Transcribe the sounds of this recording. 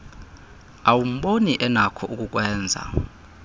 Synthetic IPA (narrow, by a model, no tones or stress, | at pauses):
awum̩ɓoniʔɛnakʰɔʔuk̬ʼuk̬wɛːnd͡zʱa̰